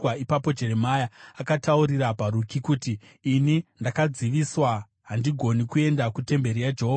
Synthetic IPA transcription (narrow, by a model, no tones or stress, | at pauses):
aipapo̞d͡ʒe̞ɾe̞majaakatauɾiɾapaɾukikuːtiː | nindakad͡ziʋiswa | ɦandiɡʱo̞nikue̞ndakute̞mbe̞ɾijad͡ʒeɦoːa